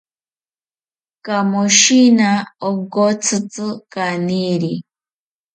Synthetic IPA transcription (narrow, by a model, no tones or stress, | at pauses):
kamoʃinaoɡot͡sɨt͡sɨkaniɾi